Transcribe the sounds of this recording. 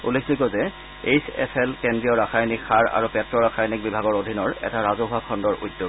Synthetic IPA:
ṵlːekʰnikɔzɛ | ejsɛ̰pʰɛlkendɹiɔɹaxajnikxaɹa̰ɹupɛtɹɔɹaxajnik̚bibʱaɡɔɹodʱinɔɹɛ̰taɹazoɦʊakʰɔndɔɹṵjdjo

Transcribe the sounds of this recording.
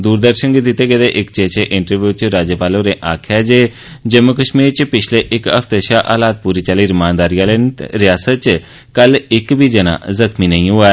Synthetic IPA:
d̪uːɾd̪əɾʃənɡit̪it̪eɡed̪eʔɪkt͡ʃeːt͡ʃeʔɪ̃ɳʈəɾʋjuːt͡ʃɾaːd͡ʒjəpaːloɾeʔaːkʰjad͡ʒeː | d͡ʒəmːukəʃmiːɾt͡ʃpɪt͡ʃʰleʔɪkəft̪eʃaʔa̰ːlaːt̪̚puːɾit͡ʃaliːɾmaːnd̪aːɾijalent̪ɾɪjaːsət̪̚t͡ʃ | kəlɪkbʱid͡ʒəna̰zəkminəĩɦʊa

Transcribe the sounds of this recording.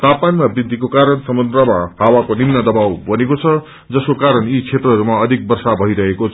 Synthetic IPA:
t̪apanmabrid̪ʱikokaɾʌnsʌmund̪rʌmahawakonimnʌd̪ʌbawbʱʌnekot͡sʰʌ | d͡zʌskokaɾʌnit͡sʰet̪rʌɦʌɾumaʌd̪ʱik̚bʌrsabʱʌiɾʌɦekot͡sʰ

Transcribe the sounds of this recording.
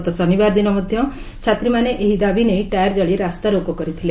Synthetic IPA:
t̪ɔsɔnibaːɾd̪inɔmɔd̪ʱjɔ | t͡ʃʰat̪ɾimaneʔeɦid̪abʱineiʈajəɾd͡ʒəɭiɾast̪aɾokokɔɾit̪ʰile

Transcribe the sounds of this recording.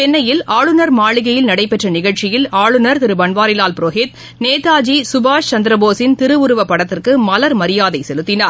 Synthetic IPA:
t̪ɛnːɐjɪlaːɭɯnɐɾmaːɭɪɣɐjɪlnɐɽɐɪpːɛʈrɐnɪɣɐɭt͡ʃɪjɪlaːɭɯnɐɾt̪ɪɾɯbɐɳʋaːɾɪlaːlpɪɾoːɦeːt̪ | neːt̪aːd͡ʒisʊbaːʂt͡ʃɐnd̪ɪɾɐboːsɪnt̪ɪɾɯʋʊɾɯʋɐpːɐɽɐt̪ːɪrkɯmɐlɐɾmɐɾɪjaːðɐɪsɛlɯt̪ːɪnaːɾ

